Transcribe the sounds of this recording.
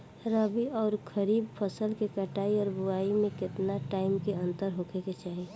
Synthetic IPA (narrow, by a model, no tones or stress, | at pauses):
ɾəbiɔːɾkʰəɾiːbpʰəsəlkekəʈaːiɔːɾbʊaimẽkɪt̪naʈaːɪmkeə̃nt̪əɾɦokʰeket͡ʃaːɦi